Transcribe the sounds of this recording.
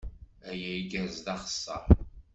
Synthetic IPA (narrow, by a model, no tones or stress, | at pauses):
æjæiɡæzðɑχə̥sːəɾˤ